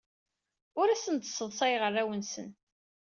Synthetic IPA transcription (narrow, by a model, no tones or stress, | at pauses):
ʊɾæsənt̪sːəðˤsˤɑjʁərːæwənsə̰n